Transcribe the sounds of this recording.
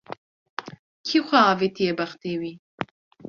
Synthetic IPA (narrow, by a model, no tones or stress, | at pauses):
kʰixʷɛaːvet̪ʰijɛbɐxt̪eːwi